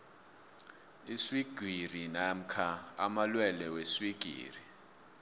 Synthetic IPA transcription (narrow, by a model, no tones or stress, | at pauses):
iswiɡ̥ʱwirinam̩kʰaamalwɛlɛweswiɡ̥ʱḭːri